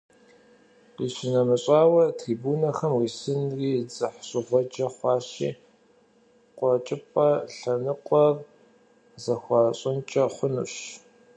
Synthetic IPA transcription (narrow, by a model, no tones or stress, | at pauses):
iːɕɪnɐmɨɕʼɑːwɐtʰriːbuːnɐxɐmwiːsɨnriːd͡zɨħɕʼɪʁʷɔd͡ʒɐχʷɑːɕḭː | qʷʼɔt͡ʃʼɪpʼɐɬɐnɨqʷʼɔr | zɐxʷɑːɕʼɪnt͡ʃʼɐχʷʊnṵɕ